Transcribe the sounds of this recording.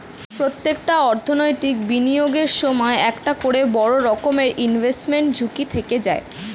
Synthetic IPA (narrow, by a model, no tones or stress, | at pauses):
pɾot̪ːekʈaɔɾt̪ʰonojʈikbinijoɡeɾʃɔmɔeɛkʈakoɽebɔɽoɾɔkomeɾʔinvʱesʈmeɳʈ̚d͡ʑʱukit̪ʰeked͡ʑae